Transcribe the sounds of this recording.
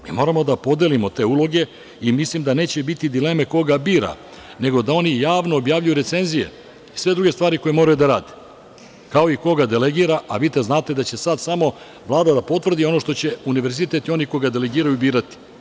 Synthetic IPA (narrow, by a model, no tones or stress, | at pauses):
mḭmo̞ːɾamo̞d̪apo̞d̪elimo̞t̪e̞ːulˠo̞ɡe̞ | imislimd̪ane̞ːt͡ɕebit̪id̪ile̞me̞ko̞ɡabiːɾa̰ | ne̞ɡo̞d̪ao̞nijaːʋno̞ːbjaːʋʎujuɾe̞t̪se̞nzije̞̰ | isʋe̞d̪ɾuɡe̞st̪ʋaːɾiko̞jemo̞ɾajud̪aɾaːd̪e | kao̞iko̞ɡad̪e̞le̞ɡiːɾaʔaʋiːt̪aznaːt̪e̞d̪at͡ɕe̞sad̪samo̞ | ʋlˠaːd̪ad̪apo̞t̪ʋr̩d̪io̞no̞ʃt̪o̞t͡ɕe̞uniʋe̞ɾzit̪e̞t̪io̞niko̞ɡad̪e̞le̞ɡiːɾajubiːɾat̪i̥